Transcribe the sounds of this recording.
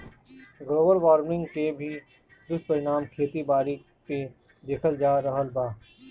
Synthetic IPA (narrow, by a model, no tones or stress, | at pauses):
ɡɾoːbəɾʋaːɾmnɪ̃ŋɡkebʱi | d̪ʊspɐɾɪñaːmkʰeːt̪ibaːɾi | pe | d̪eːkʰəld͡ʒaːɾɐɦəlbaː